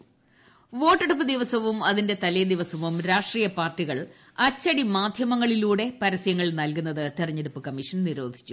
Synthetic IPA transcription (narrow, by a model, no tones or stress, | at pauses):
ʋo̞ːʈːeɽup̬ːɨd̪iʋɐsɐʋumɐðinde̞t̪ɐlɐjd̪iʋɐsɐʋumɾaːʂʈriːjɐpaːrʈːiɣɐɭ | ɐt͡ɕːɐɽimaːd̪ʱjɐmɐŋːɐɭiluːɽe̞pɐɾɐsjɐŋːɐɭnɐlkunːɐðɨt̪irɐɲːeɽupːɨkɐmːiʂɐnniɾo̞ːd̪ʱi̥t͡ɕːu